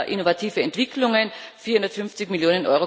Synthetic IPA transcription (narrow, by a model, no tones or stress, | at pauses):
ʔɪnovatʰiːvəɛntv̥ɪkʰlʊŋənfiːɐhundɐtfʏnft͡sɪçmɪljoːnənʔɔ̰ʏʁo